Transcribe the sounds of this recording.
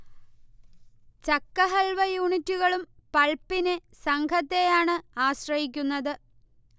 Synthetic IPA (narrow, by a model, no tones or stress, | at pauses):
t͡ɕɐkːɐɦɐlʋɐjuːɳitːuɣɐɭumpɐɭpːinesɐŋkʰɐt̪ːe̞jaːɳɨaːɕrɐjik̬ʲːunːɐðɨ